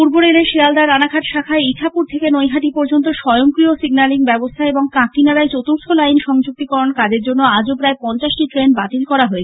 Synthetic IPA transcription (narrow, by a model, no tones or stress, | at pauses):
puɾboɾeleʃiald̪aɾanakʰaʈ̪ʃakʰaeiʈʰapuɾt̪ʰekenojɦaʈipɔɾd͡ʑont̪oʃɔjoŋkɾiosiɡnaliŋbɛbost̪ʰaeboŋkãkinaɾaet͡ɕot̪uɾt̪ʰolajnʃɔŋd͡ʑuk̚t̪ikɔɾonkad͡ʑeɾd͡ʑonːoad͡ʑopɾaepɔnt͡ɕaʃʈiʈɾenbat̪ilkɔɾaɦoet͡ɕʰ